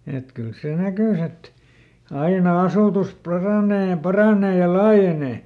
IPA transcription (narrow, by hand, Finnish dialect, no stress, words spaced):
et kyl seˑ nækys et ɑinɑ ɑsuˑtus pɑrɑˑneː jɑ pɑrɑneː jɑ lɑːjeneˑ